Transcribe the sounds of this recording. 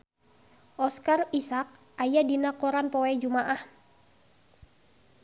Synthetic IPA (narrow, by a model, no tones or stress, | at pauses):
ʔɔskarisak̚ | ʔajadinakɔɾanpɔɛd͡ʒumaʔah